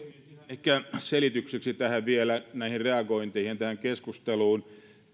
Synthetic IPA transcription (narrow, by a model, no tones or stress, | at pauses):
ehkæselit̪ykseksit̪æhæʋielænæihirreɑɡoint̪eihint̪æhæŋkeskust̪eluːn